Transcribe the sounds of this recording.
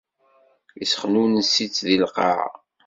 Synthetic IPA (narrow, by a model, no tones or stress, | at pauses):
jisχnunəsit͡sːðilqɑ̰ʕ